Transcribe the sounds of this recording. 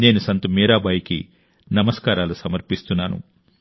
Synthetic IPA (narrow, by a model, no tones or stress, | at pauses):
ne̞ːnusɐnt̪umiːɾaːbɐjikḭ | nɐmɐskaːɾaːlusɐmɐɾpist̪unːaːnṵ